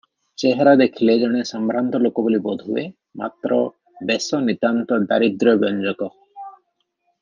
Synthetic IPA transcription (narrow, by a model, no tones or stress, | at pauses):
t͡ʃeɦeɾad̪ekʰiled͡ʒɔɽ̃esɔmbʱɾant̪ɔlokɔbulibɔd̪ʱuḛ | ma̰t̪ɾɔ | besɔnid̪ant̪ɔɖ̪aɾid̪ɾɔbjɔnd͡ʒɔkɔ